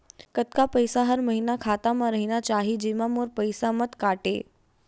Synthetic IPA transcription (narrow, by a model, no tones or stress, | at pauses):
kət̪kapəjsaɦəɾməɦinakʰaːt̪amãɾəɦinat͡ʃaːɦid͡ʒemãmoːɾpəɪsamət̪kaːʈḛː